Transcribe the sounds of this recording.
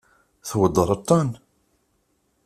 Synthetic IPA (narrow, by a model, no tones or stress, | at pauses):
θwəd̪ˤːəɾˤɑt̪ˤːɑn